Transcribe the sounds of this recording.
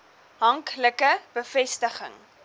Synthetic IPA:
ɦɐŋkləkəb̥əfɛstəχə̰ŋ

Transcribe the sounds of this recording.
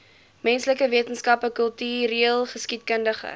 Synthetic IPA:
mɛnsləkəviətənskɐpəkəlˠtyːɾiəlˠχəskit̚kəndəχə̰

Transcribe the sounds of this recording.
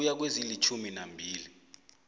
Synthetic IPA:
jak̬wezilit͡ʃʰuminambʱiːli

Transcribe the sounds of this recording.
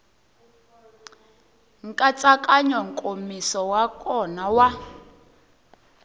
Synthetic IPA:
ŋ̩kʼat͡sʼakʼaɲɔŋ̩kʼomisɔwakʼɔnawa

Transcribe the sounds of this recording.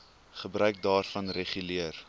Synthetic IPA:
χəbrœɥk̚dɑːrfɐnreχyliər

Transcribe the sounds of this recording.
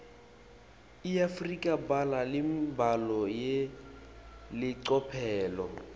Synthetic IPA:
iafrikʼabalalɪmbalɔje | lɪǀɔpʰɛːlɔ

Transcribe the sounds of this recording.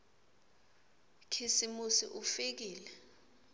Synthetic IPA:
kʰisimusḭʔufik̬iːlɛ

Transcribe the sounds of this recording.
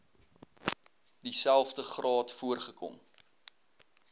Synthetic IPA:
disælˠfdəχrɑːtfuərχəkɔ̰m

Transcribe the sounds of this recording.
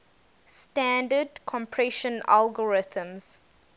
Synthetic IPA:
stæ̃ndədkʰɔ̃mpʰɹɛʃə̃na̰lɡəɹɪθə̃mz̥

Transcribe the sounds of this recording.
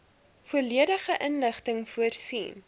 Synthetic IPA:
fuəliəɾəχəʔənləχtəŋfuərsḭːn

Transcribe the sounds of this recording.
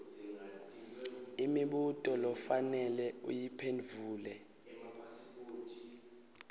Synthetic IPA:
imiɓutʼɔlɔfanɛlɛṵjipʰenvʱuːlɛ

